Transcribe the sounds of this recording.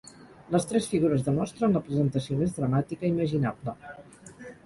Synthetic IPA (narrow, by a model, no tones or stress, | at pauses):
ləst̪ɾɛsfiɣuɾəzðəmɔst̪ɾənləpɾəzənt̪əsiomezðɾəmat̪ikəiməʒinablə